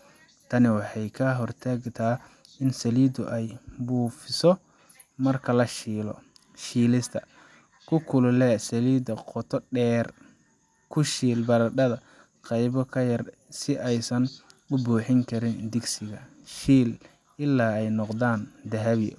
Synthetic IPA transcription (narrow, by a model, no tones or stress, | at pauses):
t̪ʰɐnɪwɑħɑjkʰɐɦɔrt̪ʰaːɡt̪ʰaː | ɪnsɐliːd̪ʊ̰ʔɛjbuːfɪsɔ | mɐrkʰɐlɐʃiːlɔ | ʃiːlɪst̪ʰɐ | kʰʊkʰʊlʊlɛsɐliːd̪ɐqɔt̪ʰɔɖɛːr | kʰʊʃiːlbɐɾɐɖɐðɐ | qɑjβɔkʰɐjɐr | sɪʔɛjsɐnʊbuːħɪŋkʰɐɾɪnd̪ɪɡsɪɣɐʃiːl | ɪlːaːɛjnɔqd̪aːnd̪ɐɦɐβɪ